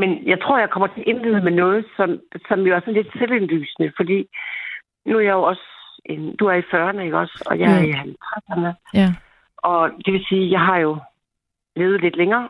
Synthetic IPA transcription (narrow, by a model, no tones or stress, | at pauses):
menjɑ̈ɪt͡sʰʁo̝ɐ̰jɑ̈ɪkʰɒ̽m̰ɐt͡sʰe̝ʔe̝nlið̩ˠəmenɔ̽ːð̞̩ˠsɒ̽msɒ̽mjoæɐsɒ̽n̩le̝d̥selenly̰ːsnəfɒ̽d̥ḭː | nuæɐjɑ̈jo̝ɒ̽sʔend̥uæɐifɶːɐnəe̝ɡ̥ɒ̽sɒ̽jɑ̈ɪæɐiɦælt͡sʰʁasɐnə | ʔɒ̽d̥e̝ʋe̝siːjɑ̈ɪɦɑ̈jo̝ | le̝ːʊð̩ˠle̝d̥leŋɐː